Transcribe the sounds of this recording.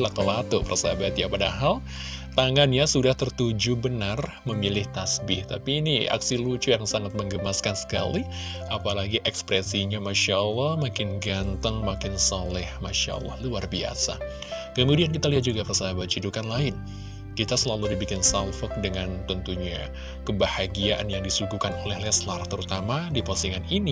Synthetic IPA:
lat̪əlat̪ʊpərsabat̪̚japadaɦal | t̪aŋanjasudaht̪ərt̪ud͡ʒubənar | məmilɪht̪asbɪht̪a̰piːnia̰ksilut͡ʃujaŋsaŋat̪̚məŋɡəmaskansə̥ka̰liapalaɡiʔɛkspɾesiɲamaʃaʔəlːɑhmakɪnɡant̪əŋmakɪnsalɛhmaʃa̰ʔə̰lːɔ̰hluarbia̰sa̰ | kəmudiankit̪aliɦat̪̚d͡ʒuɡapərsaabat͡ʃidukanlaɪn | kit̪asəlaludibikɪnsalfɔk̚dəŋant̪ənt̪uɲa | kəbahaɡiaʔanjaŋdisuɡukanolɛhlɛslart̪əɾut̪amadipɔsiŋanini

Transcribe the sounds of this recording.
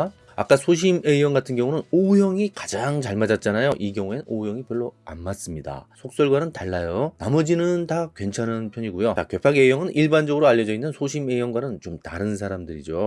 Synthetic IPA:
a̰k͈asʰoɕ̬ʰimeiʌŋɡatʰɯnɡjʌŋunɯnojʌŋikḁd͡ʑaŋt͡ɕaɭmad͡ʑat̚t͡ɕ͈anajoʔiɡjʌŋueojʌŋipjʌɭːoa̰mːas͈ɯmɲida̰sʰok̚s͈ʌɭɡwanɯntaɭːajonamʌd͡ʑinɯntakwe̞nt͡ɕʰanɯnpʰjʌɲiɡujoake̞pʰaɡejʌŋɯnʔiɭband͡ʑʌɡɯɾoaʎːʌd͡ʑʌinːɯnsʰoɕʰime̞ijʌnɡwanɯnt͡ɕomtaɾɯnsʰaɾamdɯɾid͡ʑo

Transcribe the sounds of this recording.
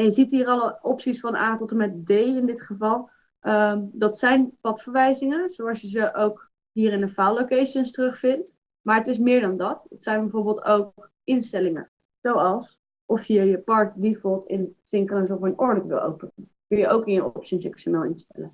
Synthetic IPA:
ɛnjəzitɦiːrɑlɔpsisfɑna̰ːtɔtəmɛtdejɪndɪtχəvɑlˠ | ədɑtsɛjnpɑtfəɹʋɛjzɪŋəz̥owɑlˠsjəzəʔowk | ɦiːɾɪnəfawlowkejʃənstərɵχfɪnt | maːɹətɪs̬mɪːɹdɑndɑtdɑtsɛjnbəvoɹbɪːlˠtowkk | ʔɪnstɛlɪŋə̰ | z̥owɑlˠs | ʔɔfjəjəpɑɹtdifəlˠtʰɪ̰nsɪŋkələnsɔfənɔɹdətʋɪ̰lˠo̰wpən | kɵljəʔowkɪnjəʔɔpsiənsəksəmɛlˠɪ̰nstɛ̰lə

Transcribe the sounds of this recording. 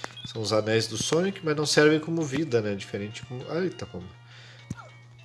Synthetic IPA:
sɐ̃w̃ʊzanɛjzd̪ʊsõɲʊkɪmɐznɐ̃w̃sɛɾvẽj̃kõmʊvid̪ɐnɛd͡ʒifeɾẽt͡ʃɪ̥kõmʊʔajt̪ɐkõmɐ

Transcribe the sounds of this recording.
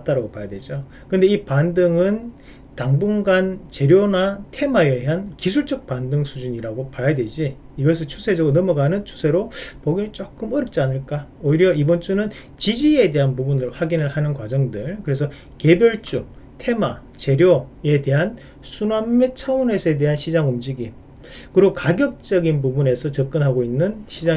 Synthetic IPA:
t͈aɾaɡopajadwe̞d͡ʑo | kɯndeipandɯŋɯn | taŋbuŋɡant͡ɕe̞ɾjonatʰe̞maeɦankisʰuɭt͡ɕ͈ʌk̚pandɯŋsʰud͡ʑuɲiɾaɡopajadwe̞d͡ʑiː | ɡʌs̬ʰɯɭt͡ɕʰusʰe̞d͡ʑʌɡonʌmʌɡanɯnt͡ɕʰu̥sʰe̞ɾopʌɡiɯt͡ɕ͈ok͈ɯmʌɾʌp̚t͡ɕ͈ianɯɭk͈aoiɾjʌibʌnt͡ɕ͈unɯn | t͡ɕid͡ʑie̞de̞ɦanpubunɯɭɸwaɡinɯɭhanɯnkwad͡ʑʌŋdɯɭkɯɾe̞sʰʌ | ke̞bjʌɭt͡ɕ͈u | tʰe̞ma | t͡ɕe̞ɾjoe̞de̞ɦan | sʰumamːet͡ɕʰaunesʰʌede̞ɦanɕʰid͡ʑaŋumd͡ʑiɡi | kɯɾiokaɡjʌk̚t͡ɕ͈ʌɡinpubune̞sʰʌt͡ɕʌk͈ɯnɦaɡoinːɯnɕʰid͡ʑa

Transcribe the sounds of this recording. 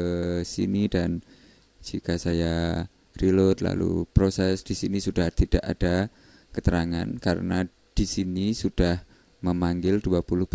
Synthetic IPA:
əsḭnidan | d͡ʒikasaja | ɾilʊt̪la̰lṵpɾosɛsd̥isinisud̥aht̪id̥aʔad̥a | kət̪əɾaŋa̰nkaɾə̰na | d̥isinisud̥ah | məmaŋɡɪlduapulʊhb̥

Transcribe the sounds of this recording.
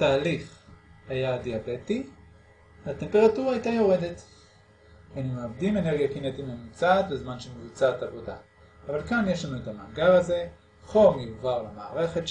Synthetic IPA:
taːliχajadiabe̞ti | vate̞mpe̞ʁatuʁaajtajo̞ʁe̞de̞t | anumeabdime̞ne̞ʁɡijakinet̪imemut͡satbezmanʃemevut͡satavo̞da̰ː | valkanjeʃlanuetamaːɡaʁaze̞ | χo̞mjiɡvaʁlamaːʁe̞χe̞t

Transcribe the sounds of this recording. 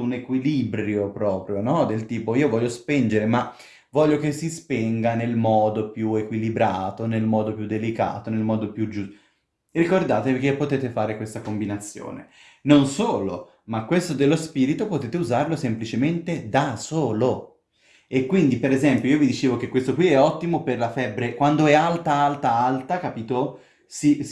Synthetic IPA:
unekwilibɾjopɾɔːpɾjonɔd̪elt̪iːpoiːovɔʎːospind͡ʒeɾema | vɔʎːokesːispɛŋɡanelmɔːd̪opjuekwilibɾaːt̪onelmɔːd̪opjud̪ːelika̰ːt̪onelmɔːd̪opjud͡ʒu | rikord̪aːt̪evikepːot̪eːt̪efaːɾekwest̪akombinat̪sːjo̰ːnḛ | nonsoːlo̰ | makːwest̪od̪elːospiːɾit̪opot̪eːt̪euzaɾlosemplit͡ʃement̪ed̪asoːlo | ekːwind̪ipeɾezɛmpjoiːovid̪it͡ʃeːvok̟ekwest̪okwiɛɔt̪ːimoperlafɛbːɾekwand̪oɛalt̪aalt̪aalt̪akapiːt̪o | si

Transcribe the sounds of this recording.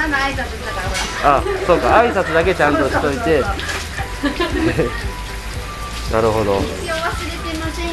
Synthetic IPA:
isat͡sɨt̪akaaso̞ːkaaisat͡sɨd̪ak̬e̞t͡ɕãnt̪o̞ɕi̥t̪o̞it̪e̞ | ne | naɾɯ̟ɦo̞d̪o̞ | oβasɨɾet̪emase

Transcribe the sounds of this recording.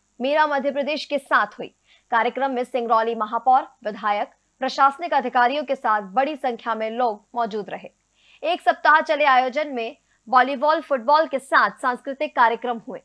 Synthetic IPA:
meːɾamɐd̪ʱjəpɾəd̪eːʃkesaːt̪ʰɦuḭː | kaːɾjəkɾəmːẽsɪ̃ŋɡɾɔːlimɐɦaːpɔːɾʋɪd̪ʱaːjək | pɾɐʃaːsənɪkɐd̪ʱɪkaːɾijõkesaːt̪̚ʰbɐɽisɐ̃ŋkʰjamẽloːɡ̚mɔːd͡ʒuːd̪ɾʔɐɦeː | eːksɐp̚t̪aɦat͡ʃɐleaːjoːd͡ʒənmẽ | bɔːlibɔːlfʊʈ̚bɔːlkesaːt̪ʰsãːnskɾɪt̪ɪkːaːɾjəkɾəmɦuḛː

